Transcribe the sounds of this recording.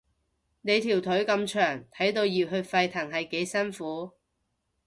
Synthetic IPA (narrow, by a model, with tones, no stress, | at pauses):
ne˨˧jt̪ʰiː˨˩wt̪ʰɵ˨˥ɥkɐ˧mt͡ʃʰœː˨˩ŋt̪ʰɐ˨˥jt̪o˧wjiː˨˧wɦɵ˧ɥfɐ˧jt̪ʰɐ˨˩ŋɦɐ˨jke˨˥jsɐ˥nfuː˨˥